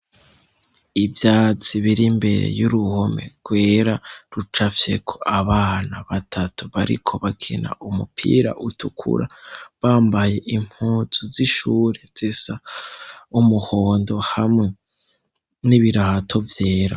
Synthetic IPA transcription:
ivjaːt͡siβiɾimbe̞ɾḛjuɾuhome̞̰ɡ̥we̞ːɾaɾut͡ʃafje̞kʰoʔaβaːnaβatʰatuβaɾḭkʰo̞βakʰina̰ʔumupʰḭːɾa̰ʔutʰukʰṵɾa̰βaːmbaje̞ʔim̥huːzuziʃuːɾez̥isa | umuho̞ːndo̞hamŋe̞ | niβiɾahatʰo̞vjeːɾa

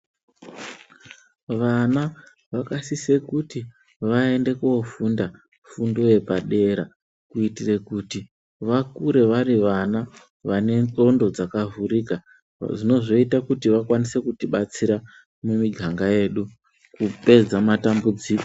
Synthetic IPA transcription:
ʋana | ʋakasise̞kuti | ʋae̞nde̞kuofunda | fundo̞je̞paɗe̞ɾa | kuitire̞kuti | ʋakuɾe̞ʋaɾiʋana | ʋane̞nt͡sʼo̞ndo̞d͡zakavurika | ʐino̞ʐo̞itakutiʋakwanise̞kutiɓat͡siɾa | mumiɡʱaŋɡaje̞ːɗu | kupe̞d͡zamatambud͡ziːko

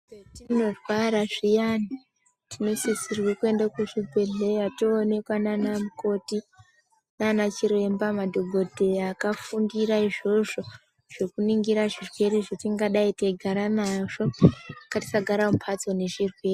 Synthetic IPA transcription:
tino̞rwaɾaʐijani | tino̞sisirwikue̞ndakuʐibʱe̞ɮejatoːne̞kwananamuko̞ti | nanat͡ʃiɾe̞mbamadʱo̞ɡʱo̞dʱe̞akafundiɾaiʐo̞ʐo̞ | ʐ̥e̞kuniŋɡiɾaʐirwe̞ɾiʐetiŋɡaɗaiteɡʱaɾanaʐo̞kati̥saɡʱaɾamupʰat͡so̞ne̞ʐirwe̞ːri

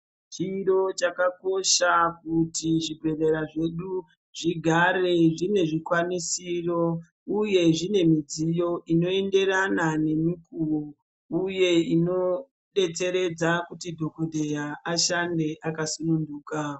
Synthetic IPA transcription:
t͡ʃiɾo̞t͡ʃakako̞ʃakutiʐibrereɾaʐe̞ɗu | ʐiɡʱare̞ʐine̞ʐikwanisiro̞ | uje̞ʐine̞mid͡zijo̞ʔino̞e̞nde̞ranane̞mikuro | uje̞ino̞ | ɗe̞t͡se̞ɾe̞d͡zakutidʱo̞kodʱejaʔaʃande̞ʔakasununduːka

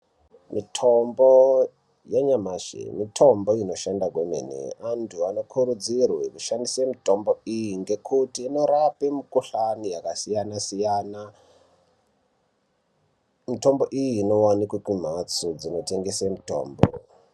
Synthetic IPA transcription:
mitʰombo | jaɲamaʃḛmitʰo̞mbo̞ino̞ʃandakwemḛnḛantʰuano̞kʰuɾud͡zirwekuʃandisemito̞mboijiŋɡe̞kʰutiːno̞ɾapemikuɬanijakasijanasijana | mito̞mbo̞ʔijiːno̞wanikwekim̤at͡sud͡zino̞te̞ŋɡesemito̰ːmbo̰

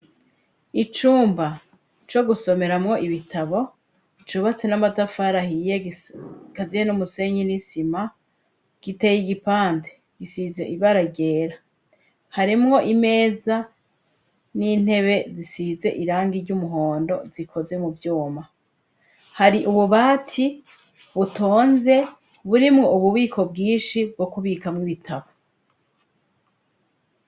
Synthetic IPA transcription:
it͡ʃuːmba | t͡ʃo̞ɡuso̞me̞ɾamŋo̞ʔiβitaβo̞ | it͡ʃuβat͡se̞namatafaɾahije | kazijenumuse̞ɲinisima | ɡ̥ite̞jiɡipaːnte̥ | ɡisize̞ʔiβaɾaɟe̞ːɾa | haɾimŋo̞ʔime̞ːza | niːn̥he̞βe̞zisiːze̞ʔiɾaːŋɡiɾɟumuɦo̞ːndo̞̰zikʰo̞ze̞muvjuːma | haɾiʔuβuβaːtʰi | βutʰoːnze̞ | βuɾimŋo̞uβuβiːkʰo̞bɡiːnʃib̚ɡo̞kuβiːkamŋiβitʰaβo

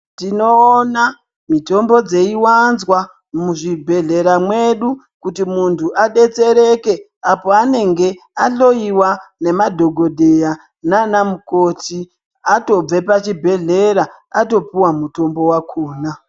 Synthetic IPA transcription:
tino̞ːna | mito̞mbo̞d͡ze̞iwanzwa | muʐibʱe̞ɮe̞ɾamwe̞ɗu | kutimuntʰuʔaɗe̞t͡se̞ɾe̞ke̞ | apo̞ane̞ŋɡe̞ | aɬo̞iwane̞madʱo̞ɡʱo̞dʱeja | nanamuko̞ti | ato̞b͡vepat͡ʃibʱe̞ɮe̞ɾa | ato̞puwamuto̞mbo̞wakʰoːna

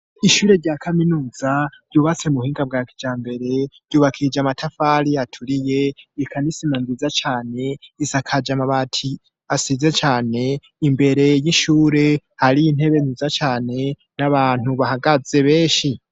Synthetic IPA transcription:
iʃuːɾe̞ɾɟaːkʰaminuːzaɾ̥ɟuːβat͡semuhiːŋɡab̚ɡaːki̥d͡ʒaːmbe̞ɾe̞ɾ̥ɟuːβakʰid͡ʒamatʰafaɾiatʰuɾije̞ikʰanisimanziːzat͡ʃaːne̞isakʰad͡ʒamaβatʰi | asize̞t͡ʃaːne̞ | imbe̞ɾe̞jiʃuːɾe̞haɾiin̥he̞βe̞nziːzat͡ʃaːne̞ | naβaːn̥huβahaɡaze̞βe̞ːʃi

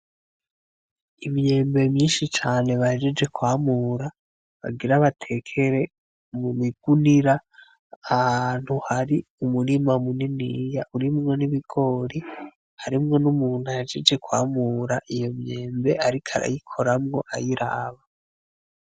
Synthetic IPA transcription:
imɲe̞ːmbe̞mɲiːnʃit͡ʃaːne̞βahed͡ʒed͡ʒe̞kwaːmuːɾa | βa̰ɡiɾaβatʰe̞kʰe̞ɾe̞ | mumiɡ̥uniɾaː | haːn̥huhaɾiumuɾimamuninijaʔuɾimŋo̞niβiɡ̥o̞ɾi | haɾimŋo̞numuːn̥had͡ʒed͡ʒe̞kwa̰ːmuːɾaʔijo̞mɲe̞ːmbe̞ʔaɾikʰaɾa̰jikʰo̞ɾamŋo̞ʔajiɾa̰ːβa

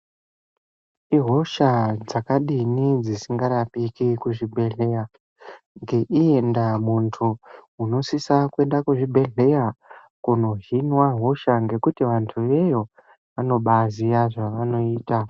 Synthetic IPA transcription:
iɦo̞ʃad͡zakaɗinid͡zisiŋɡaɾapikikuʐibʱe̞ɮe̞ja | ŋɡe̞ʔie̞ndamuntʰuuno̞sisakue̞ndakuʐibʱe̞ɮe̞ja | kuno̞ɦinwaɦo̞ʃaŋɡe̞kutiʋantʰuʋe̞jo̞ | ʋano̞ɓazijaʐaʋano̞iːta

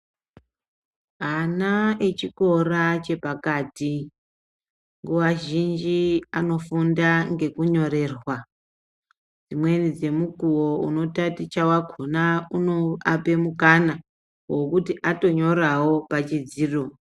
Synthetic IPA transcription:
ɦanaet͡ʃiko̞rat͡ʃe̞pakati | ŋɡuwaʒind͡ʒiano̞fundaŋɡe̞kuɲo̞ɾe̞ːrwa | d͡zimwe̞nid͡ze̞mukuwo̞uno̞tatit͡ʃawakʰonaunoape̞mukana | wo̞kutiʔato̞ɲo̞ɾawo̞pat͡ʃid͡ziːro̞

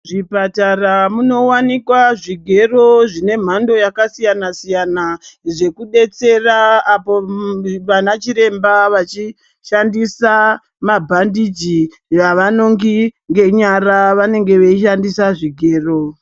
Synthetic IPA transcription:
ʐipataramuno̞wanikwaʐiɡʱe̞ro̞ʐine̞m̤ando̞jakasijanasijanaʐe̞kuɗe̞t͡se̞raːpoʋanat͡ʃiɾe̞mbaʋat͡ʃi | ʃandisa | mabʱandid͡ʒi | jaʋano̞ŋɡiŋɡe̞ɲaɾaʋane̞ŋɡe̞ʋeiʃandisaʐiɡʱe̞ːro̞

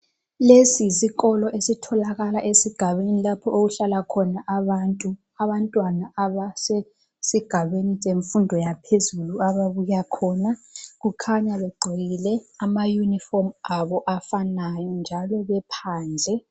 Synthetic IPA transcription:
lesisiɣɔlɔʔesitʰɔlaɣalaʔesiɡ̥ʱaβenilapʰɔʔoɣuɬalakʰɔnaʔaβantʼu | aβantʼwanaaβase | siɡ̥ʱaβeniseɱfundʱɔjapʰezuluaβaβujakʰɔːnaɣukʰaɲaβɛɡ͡ǀʱiɣilɛamajunifɔrmaβɔʔafanajɔnd͡ʒʱalɔβɛpʰaːnd͡ɮʱɛ

